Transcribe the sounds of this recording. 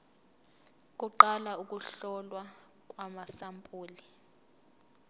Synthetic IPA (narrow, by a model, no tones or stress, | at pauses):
k̬ʼuǃalauk̬ʼuɬɔlwa | k̬ʼwamasampʼuːli